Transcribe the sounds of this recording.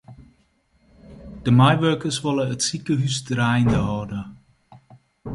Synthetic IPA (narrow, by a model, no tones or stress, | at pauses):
d̥əmajʋøːkəsʋɔlˠəətsikəɦysdrajndəɦɔdə